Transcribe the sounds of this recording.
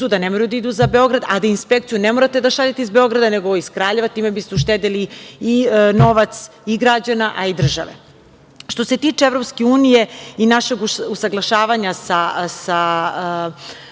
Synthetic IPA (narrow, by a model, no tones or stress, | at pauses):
ud̪anemoɾajud̪aid̪uzabe̞o̞ɡɾad̪ad̪ainspekt̪sijunemoɾat̪e̞d̪aʃaʎat̪eizbeo̞ɡɾad̪aneɡo̞iskɾaːʎe̞ʋat̪iːmebist̪euʃ̬t̪ed̪iliino̞ʋat̪s | iɡɾad͡ʑanaʔaid̪r̩ʒa̰ʋḛ | ʃt̪o̞se̞t̪iːt͡ʂeevɾo̞pskeuːnijeinaʃeɡusaɡlˠaʃaːʋaɲasasa